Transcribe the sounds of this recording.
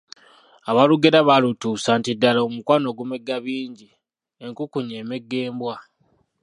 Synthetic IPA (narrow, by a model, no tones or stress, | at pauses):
aβaluɡeɾaβalutuːsantidːalaomukwano̞ɡume̞ɡːaβiːɲɟi | e̞ŋkukuɲeːmeɡːe̞ːmbwa